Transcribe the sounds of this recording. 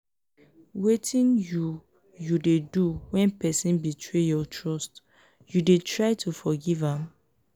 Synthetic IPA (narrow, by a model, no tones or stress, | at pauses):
wetʰĩnju | judeduwɛ̃npɛsĩnbitʰɹejɔtʰɹɔst | judetʰɹaɪtʰufɔɡivãm